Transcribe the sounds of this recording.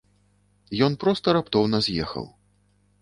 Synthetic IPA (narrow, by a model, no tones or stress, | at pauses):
jɔnpɾɔst̪ɐɾapt̪ɔwnɐzʲjɛxɐ̰w